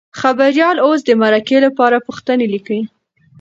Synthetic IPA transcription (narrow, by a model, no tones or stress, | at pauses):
xabaɾjɑlos̬d̪əmaɾakelapɑɾapuxt̪ənelikəi